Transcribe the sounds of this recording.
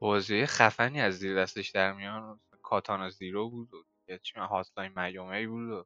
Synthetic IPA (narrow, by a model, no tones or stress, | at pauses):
bɒːzejeχæfæniːæzːiːɾd̪æst̪eʃd̪æɾmijɒːns | kʰɒːt̪ʰɒːneziːɾobuːd̪od̪iɟet͡ʃʰimæhɒt̪ʰlɒjnmæjomeibuːd̪o